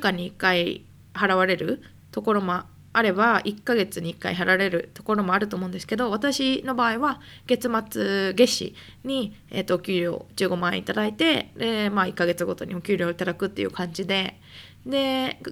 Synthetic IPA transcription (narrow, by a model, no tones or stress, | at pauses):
kaɲ̟iːkːai | haɾaβ̞aɾe̞ɾɯ̟ | t̪o̞ko̞ɾo̞mo | aɾe̞baikːaɡe̞t͡sɨɲ̟iikːa̰iɦaɾaβɾe̞ɾɯ̟t̪o̞̥ko̞ɾo̞mo̞aɾɯ̟t̪oːmõnd̪esɨ̥ke̞d̪o̞β̞at̪aɕino̞baːiβaɡ̥e̞t͡sɨmat͡sɨɡe̞ɕḭ | ɲ̟iḛt̪ːoːkʲɨːɾʲo̞̰ːd͡ʑɨːɡo̞maḛḭt̪ad̪ait̪e̞d̪emaikːaɡe̞t͡sɨɡo̞t̪o̞̰ɲ̟iokʲɨːɾʲo̞ːit̪ad̪akɯ̟t̪ːejɯ̟̰kãɲ̟d͡ʑid̪e̞ | d̪e̞